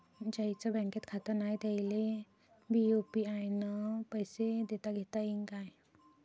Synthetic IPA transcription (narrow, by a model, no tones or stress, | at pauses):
d͡ʑajt͡səbɛ̃ŋket̪kʰat̪əɾnajd̪ajle | biopiajnəpəjsed̪et̪aɡʱet̪aɦiŋkaj